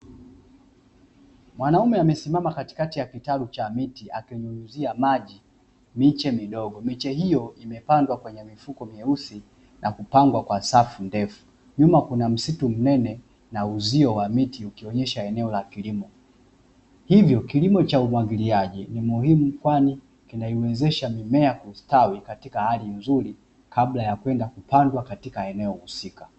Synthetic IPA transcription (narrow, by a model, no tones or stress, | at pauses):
mwanaumɛamɛsimamakati̥katijakitalut͡ʃamitiakɛɲunuziamaʄi | mit͡ʃɛmiɗɔɡɔmit͡ʃɛɦijɔʔimɛpandwakwɛɲɛmifukɔmiɛuθi | nʔakupaŋɡwakwasafundɛfu̥ | ɲumakunam̩situm̩nɛnɛ | nauziɔwamitiukiɔɲɛʃaɛnɛɔlakilimɔ | hivjɔkilimɔt͡ʃaumwaɡiliaʄinimuhimukwani | kinaiwɛzɛʃamimɛakustawikatikahalinzuɾi | kablajakwɛndakupandwakatikaɛnɛɔhusika